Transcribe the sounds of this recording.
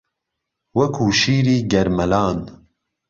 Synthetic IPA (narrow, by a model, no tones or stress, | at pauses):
wɐkʰuːʃiːɾiːɡɛɾmɛlɑːn